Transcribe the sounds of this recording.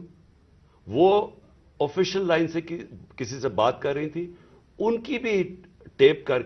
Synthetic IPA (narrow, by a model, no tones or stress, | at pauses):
ʋoː | ofɪʃəlːaːɪnsekkɪsisebaːt̪kɐɾːɐɦĩt̪ʰi | ʊnkibʱi | ʈeːp̚kɐɾ